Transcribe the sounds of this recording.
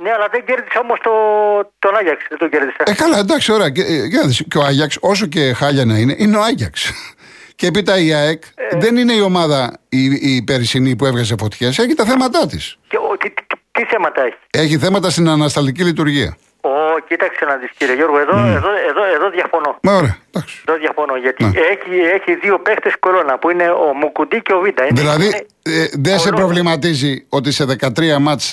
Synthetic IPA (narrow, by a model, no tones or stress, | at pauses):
neɐlɐðeɲɟeɾðiseomost̪ot̪onɐʝɐksiðed̪oɟeɾðiseekɐlɐend̪ɐksi̥o̞ɾɐeceɐðisceoɐʝɐkso̞s̬o̞ce̞xɐʎɐnɐine̞ʔineo̞ɐʝɐks | ceepit̪ɐiɐekðe̞nine̞io̞mɐðɐiipe̞ɾsinipue̞vɣɐze̞fo̞t̪çe̞se̞çit̪ɐθe̞mɐt̪ɐt̪iscet̪it̪i̥t̪i̥t̪iθe̞mɐt̪ɐe̞çi̥e̞çiθe̞mɐt̪ɐst̪inɐnɐst̪ɐlt̪icilit̪uɾʝiɐ̰ | ocit̪ɐkseonɐzisciɾeʝo̞ɾɣoeðoeðoeðoeðoðjɐfonomɐoɾeɐd̪̥ɐksðoðjɐfonoʝɐt̪ineeçieçiðio̞pext̪esko̞ɾo̞nɐpuine̞omukud̪iceovid̪ɐiðilɐði | ðensepɾo̞vlimɐt̪izio̞t̪̬ise̞ðe̞kɐt̪ɾiɐmɐt͡s